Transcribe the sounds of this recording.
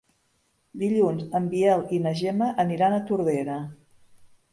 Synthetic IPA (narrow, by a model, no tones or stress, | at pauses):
d̪iʎunzəmbiɛlˠinəʒɛməʔːniɾanət̪uɾðeɾə